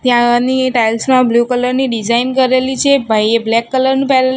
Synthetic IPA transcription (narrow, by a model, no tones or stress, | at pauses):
t̪jãniʈajlsmãblukələɾniɖid͡ʒainkəɾelit͡ʃʰebʱajeblɛkːələɾnũpɛɦl